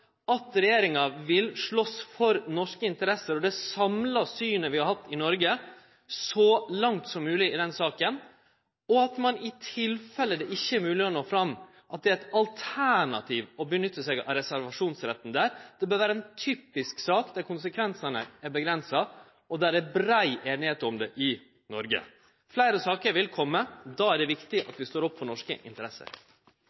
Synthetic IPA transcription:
ɑt̪ɾɛjeːɾɪŋɑʋɪlʂɭɔsfɔɾnɔʂkəɪnt̪əɾɛsːəɾɔd̪ɛsɑmlɑsyːnəʋɪhɑɾhɑt̪ːɪnɔɾɡə | sɔlɑŋt̪sɔmːʉːlɪɪd̪ɛnsɑːkən | ɔɑt̪mɑnɪt̪ʰɪlfɛlːəd̪ɛʔɪçːəɛɾmʉːlɪɔnoːfɾɑmː | ʔɑt̪̚d̪ɛæɪt̪ɑlt̪ʰæɳɑ̰t̪ʰiːʋɔbənʏt̪ːəsɛɡɑ̰ɾɛsæɾʋɑʂuːnsɾɛt̪ːn̩d̪æːɾd̪̥ɛbøːɾʋæːɾəɛːnt̪ʰyːpɪsksɑːkd̪æɾkʰʊnsəkʰʋɛnsɑnəæɾbəɡɾɛnsɑ | ɔd̪æɖɛbɾæɪʔeːnɪheːt̪əɾɔmd̪ɛʔɪ | nɔɾɡə̰ | flæɪɾəsɑːkəɾʋɪlkʰɔmːəd̪ɑːæɖɛʋɪkt̪ɪʔɑ̰t̪ʋɪst̪oːɾɔpːfɔɳɔʂkə̰ʔɪ̰nt̪əɾɛsə̰ɾ

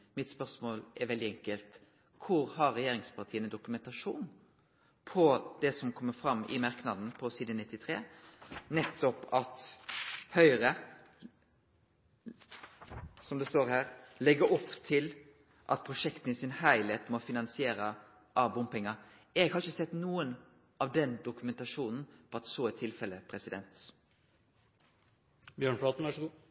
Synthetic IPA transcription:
mɪt̪spœɾsmoːlɛɾʋɛld̪ɪɛŋkəlt̪ | kʰʊɾhɑɾːɛjeːɾɪŋspʰɑʁt̪ʰiːənəd̪ʊkʉmɛnt̪ɑʂuːn | pʰɔd̪ɛsɔmkʰɔmːəfɾɑmːɪ̰mɑɾknɑd̪n̩pʰɔsiːd̪ənɪt̪ːɪt̪ʰɾḛːnɛt̪ːɔpɑt̪ | hœʏɾə | sɔmd̪ɛst̪oːɾhæːɾlɛɡəɾɔpːt̪ʰɪl | ʔɑ̰t̪̚pʰɾʊʂɛkt̪n̩isɪnhæɪlheːt̪mɔfɪnɑnsɪeːɾə | ʔɑːbʊmpɛŋːəɾ | ɛɡhɑɾɪçəsɛt̪ːnuːən | ʔɑʋd̪ɛnd̪ʊkʉmɛnt̪ɑʂuːnn̩pʰɔɑt̪soːɛt̪ʰɪlfɛlːəpʰɾɛsɪd̪ɛnt̪ | bjøːɳflɑːt̪n̩ʋæʂɡ

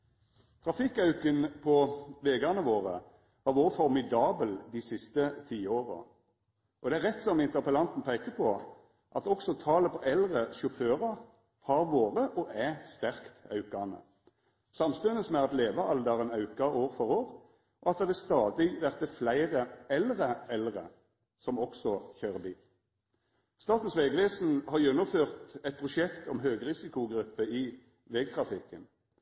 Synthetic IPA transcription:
t̪ʰʁɑfɪkːɑʉkənpʰɔʋeːɡɑnəʋoːʁə | ʋɑːʁʋoːʁəfɔʁmɪd̪ɑːbəld̪ɪsɪst̪ət̪ʰiːoːʁə̰ | ʔɔd̪ɛæʁɛt̪sɔmɪnt̪əʁpəlɑnt̪n̩pʰæɪkəpʰɔ | ʔɑt̪ɔksɔt̪ʰɑːləpʰɔʔɛlʁəʃʊføːʁɑʁ | hɑʁʋoːʁəʔɔʔæst̪æʁkt̪ɑ̰ʉkɑnə̰ | sɑmst̪ʉnəsmɛɑt̪leːʋɑʔɑld̪əʁənɑʉkɑʔoːʁfɔʁoːʁ | ʔɔɑt̪d̪ɑd̪ɛst̪ɑːd̪ɪʋæʁt̪əflæɪʁəɛlʁəɛlʁə̰ | sɔmɔksɔçøːʁəbiːl | st̪ɑːt̪n̩sʋeɡʋeːsn̩hɑʁjɛnːʊmføːʁt̪ɛt̪̚pʰʁʊʃɛkt̪ʰɔmɦøːɡʁɪsɪkʊɡɾʉpːəɪ | ʋeːɡ̚t̪ʰʁɑfɪkːən

